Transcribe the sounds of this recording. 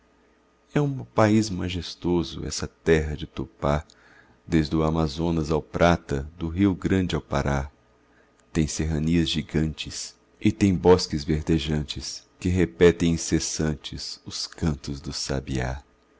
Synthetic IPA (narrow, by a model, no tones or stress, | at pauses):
ɛũpaizmaʒest̪ozʊ̰ɛ̰sɐt̪ɛɦɐd͡ʒɪt̪opa | d̪ezd̪ʊamazõnɐzawpɾʔat̪ɐd̪ʊɦiwɡɾɐ̃d͡ʒɪawpa̰ɾa | t̪ẽj̃seɦɐniɐzʒiɡɐ̃nt͡ʃɪs | ɪt̪ẽj̃bɔskɪzveɾd̪eʒɐ̃t͡ʃɪskɪɦepɛt̪ẽj̃ĩsesɐ̃nt͡ʃɪsʊskɐ̃nt̪ʊzd̪ʊsa̰bḭa̰